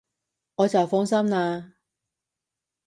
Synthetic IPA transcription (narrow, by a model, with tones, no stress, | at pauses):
ŋɔː˨˧t͡sɐ˨˩wfɔ˥ŋsɐ˥mnaː˧